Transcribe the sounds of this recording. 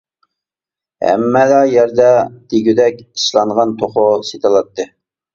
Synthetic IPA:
hɛ̰mːɛd̪ɛjæɾd̪ɛd̪̥iɡʲyd̪ɛkʲiʃlˠɑɴʁɑnt̪ʰoχʊset̪ʰɨlˠɑt̪ːɨ

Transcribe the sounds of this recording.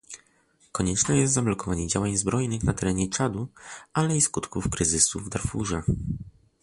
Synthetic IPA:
kɔɲɛt͡ʂnɛjɛst̪zamlɔkɔvaɲɛd͡ʑawaɲzbɾɔjnɘxnat̪ɛɾɛɲɛt͡ʂad̪uʔalɛiskut̪kufkɾɘzɘsuvd̪aɾfuʐɛ

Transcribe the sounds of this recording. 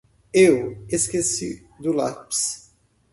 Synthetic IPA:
eweskesḭ | d̪ʊlaps

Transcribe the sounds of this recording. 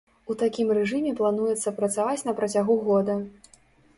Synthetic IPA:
ut̪akʲimrɛʐɨmʲɛplˠanujɛt̪sːɐpɾɐt̪savat͡sʲnɐpɾɐt͡sʲaɣuɣɔd̪ɐ

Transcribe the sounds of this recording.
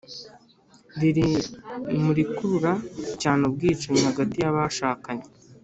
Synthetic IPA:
βiɾi | muɾikuɾuɾacaːnob̚ɡiːt͡ʃeɲihaɡatijaβaʃaːkaɲe

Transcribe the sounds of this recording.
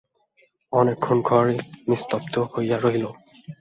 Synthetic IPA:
ɔnɛkʰːɔnɡʱɔɹinist̪ɔpt̪ɔhojaɹoɦilɔ̃

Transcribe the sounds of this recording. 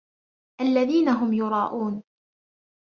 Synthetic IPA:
ʔalːaðiːnaɦʊmjʊɾˤɑːʔuːn

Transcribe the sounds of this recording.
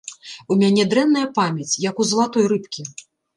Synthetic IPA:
umʲanʲɛd̪ɾɛnːɐjɐpamʲɛt͡sʲjɐkuzɐlˠat̪ɔjɾɨpkʲi

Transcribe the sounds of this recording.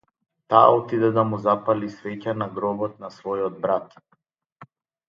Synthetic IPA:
t̪a̰ːɔt̪id̪ɛd̪amuzapalisvɛcanaɡɾɔbɔt̪̚nasvɔjɔd̪̚bɾat̪

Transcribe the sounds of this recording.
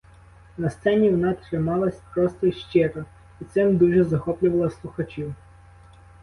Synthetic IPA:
nɐst̪sɛnʲiwnɑt̪ɾɪmɑlˠɐsʲpɾɔst̪ɔʃt͡ʃɪɾɔ | it̪sɪmd̪uʒɛzɐxɔplʲʊʋɐlˠɐslˠʊxɐt͡ʃʲiw

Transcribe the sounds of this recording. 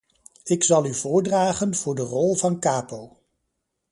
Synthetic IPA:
ɪksɑlˠyvʊːɹdraːχənv̥ʊːɹdərɔlˠvɑnkaːpow

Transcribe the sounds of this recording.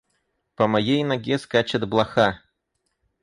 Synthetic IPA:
pɐmajejnɐɡʲɛskat͡ʃɐd̪blˠaxa

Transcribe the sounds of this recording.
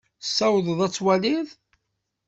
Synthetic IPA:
sːæwðˤðˤæt͡sːwælið

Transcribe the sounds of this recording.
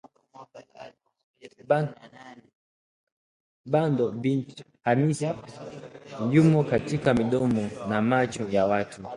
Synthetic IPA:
ɓandɔbin | hanisa | jumɔkatikamiɗɔmɔnamat͡ʃujawatʰu

